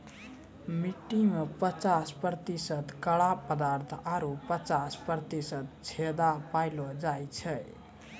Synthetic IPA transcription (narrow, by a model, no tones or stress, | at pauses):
miʈːimepət͡ʃaspɾət̪isət̪kəɽapəd̪aɾt̪ʰaɾupət͡ʃaspɾət̪isət̪̚t͡ʃʰed̪apajlɔd͡ʒajt͡ʃʰəj